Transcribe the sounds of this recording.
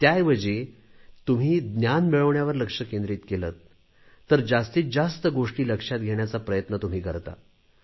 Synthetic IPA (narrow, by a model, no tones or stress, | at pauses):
t̪jajʋəd͡ʑe | t̪um̤iːd̪njanmeɭəʋɳjaʋəɾləkʂəkẽnd̪ɾiːt̪kelət̪ː | əɾd͡zast̪iːt͡s̚d͡zast̪əɡoʂʈiːləkʂat̪ɡʱeɳjat͡sapɾəjət̪nət̪um̤iːkəɾt̪a̰